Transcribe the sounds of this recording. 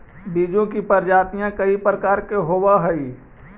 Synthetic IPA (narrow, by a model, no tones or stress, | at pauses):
biːd͡ʒõkipəɾd͡ʒaːt̪ijãkɐipɾəkaːɾkeɦoːwaɦəi